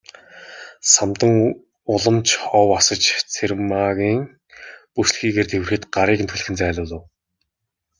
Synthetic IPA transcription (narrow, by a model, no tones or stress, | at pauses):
samt̪ə̆ŋ | ʊɮə̆mt͡ɕʰɔwasə̆t͡ɕt͡sʰermaɣʲiːŋ | pusɮxiːɣeːrt̪ʰewɘ̆rxɘ̆t̪ɢaɾiːkɘnt̪ʰuɮɘ̆xɘ̆nt͡sæːɮʊːɮə̆w